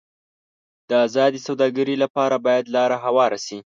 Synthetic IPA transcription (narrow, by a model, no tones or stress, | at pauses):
d̪̥əazɑd̪isawd̪ɑɡaɾilapɑɾabɑjad̪lɑɾaɦawɑɾasi